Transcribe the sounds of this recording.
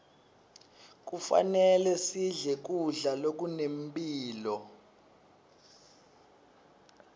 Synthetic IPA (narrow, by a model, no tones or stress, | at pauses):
k̬ufa̰nɛlɛsiɮɛk̬uɮalok̬ʼunembʱʼiːlɔ